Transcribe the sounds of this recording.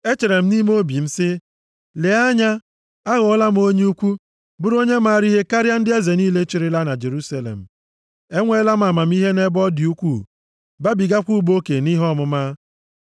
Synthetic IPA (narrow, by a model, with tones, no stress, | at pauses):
e˦t͡ʃe˨ɾe˨m̩˦ni˦m˦o˦bi˨m̩˦sɪ˦ | le˨˦a˦ɲa˦ | a˦ɣʊ˨˦la˦m̩˦o˦ɲe˦u˦kʷu˦ | bʊ˦ɾo˦ɲe˦ma˦˨ɾi˦ɦe˦ka˦ɾja˦n̩˦dɪ˦e˦ze˨niː˦le˦t͡ʃi˨ɾɪ˦la˦na˨d͡ʒe˨ɾu˦sa˦lḛ˨m̩˨ | e˦ŋʷe˦la˦m̩˦a˨ma˨m̩˦i˦ɦe˦ne˦bɔ˦dɪ˨u˦kʷu˦˨ | ba˦bi˨ɡa˦kʷu˦bo˦ke˨ni˦ɦɔ˦mʊ˦ma˦